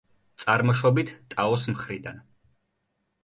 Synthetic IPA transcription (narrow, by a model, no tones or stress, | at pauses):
t̪sʼaɾmɔʃɔbit̪ʰt̪ʼaɔsmχɾid̪an